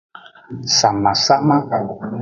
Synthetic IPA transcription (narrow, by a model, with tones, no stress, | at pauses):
sa˨mã˨sa˦mã˦